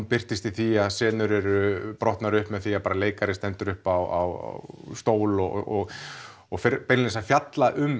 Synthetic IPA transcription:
mpɪr̥t̪ɪst̪iθiaðsɛːnʏɾɛɾʏpɾɔht̪naɾʏhpmɛðθiaðpaːɾaleːjkaɾɪst̪ɛnt̪ʏɾʏhpawa̰wa̰st̪oːwlɔɔɣ | ɔɣfɪɾpɛɾlnɪsafjat̪laʔʏm

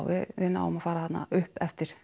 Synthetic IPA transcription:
wʋɪ̰ɪːna̰ɔ̰mafaːɾahat̪na̰ʏhpɛft̪ɪɾ̥

